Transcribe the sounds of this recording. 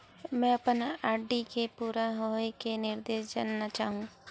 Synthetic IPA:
mɛ̃ɐpənaːɾɖikepuːɾaɦoekenɪɾd̪eːʃ̬d͡ʒa̰ːnːat͡ʃaːɦũː

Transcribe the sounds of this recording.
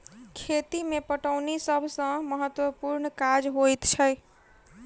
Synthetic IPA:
kʰet̪imepəʈəʊnesəbʱsə̃məɦət̪wəpuɾnkad͡ʒɦojt̪t͡ʃʰəj

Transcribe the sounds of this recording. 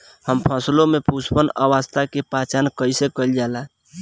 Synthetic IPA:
həmpʰəslomepuspənə̰wast̪ʰakepat͡ʃankəjsekəld͡ʒala

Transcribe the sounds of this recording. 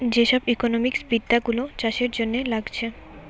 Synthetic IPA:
d͡ʑeʃɔbikonomiksbid̪ːaɡulot͡ɕaʃeɾd͡ʑonːelaɡt͡ɕʰe

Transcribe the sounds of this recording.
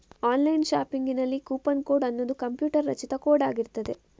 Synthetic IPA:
aːnlɐjnʃaːpiŋɡinɐlːikuːpɐnkoːɖɐnːod̪ukɐmpjuːʈɐɾːɐ̰t͡ʃit̪ɐkoːɖaːɡiɾt̪ɐd̪e̞

